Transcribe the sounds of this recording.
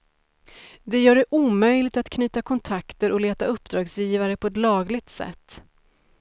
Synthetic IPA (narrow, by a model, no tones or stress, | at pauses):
d̪ɛjœːɖɛʔuːmœjlɪɡt̪at̪kʰnyːt̪akʰɔnt̪ʰakt̪əɾʔɔleːt̪aɵpːd̪ɾɑːɡsjiːvaɾəpʰɔɛt̪lɑːɡlɪɡ̚t̪sɛ̰t̪ː